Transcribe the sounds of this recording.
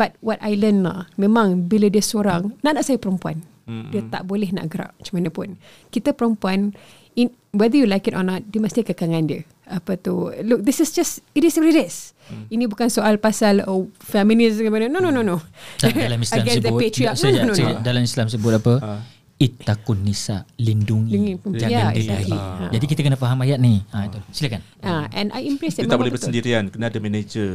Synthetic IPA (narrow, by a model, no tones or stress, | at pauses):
b̥at̚wɔtajlənla̰hmẽmãŋbilədiəsoɾaŋnaʔnaʔsajəpəɾəmpua̰n | diət̪a̰ʔbolɛhna̰ʔɡəɾa̰ʔ̚t͡ʃəmanəpʊn | kit̪əpəɾəmpuan | in | wɛd̪əjulajkitɔ̰nɔt̪̚diəməst̪ikəkaŋãndiə | apət̪uluk̚d̪ɪsɪsd͡ʒastitisɾidəs | inĩbukansoʔalpasalofɛmĩnisŋapanənonononot̪dalamisalamɡɛsdətpetɾiɔs̚nanõdalamislams̬əbʊt̪̚apə | it̪ːakunːisa̰linduŋŋid͡ʒajaait̪aiã̰d͡ʒadikit̪əkənəfaɦamajat̪̚niait̪usilakan | ʔaʔɛ̰̃na̰jĩmpɾɛstimabolɛbəsəndiɾiankənaadəmɛned͡ʒə